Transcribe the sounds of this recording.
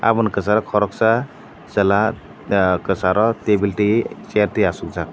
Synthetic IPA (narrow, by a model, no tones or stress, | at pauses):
a̰bɔnkəsaɾɔkʰɔɾɔksa | zəla | kəsaɾʔɔt̪ebilʈiseɾt̪iasuk̚d͡zak̚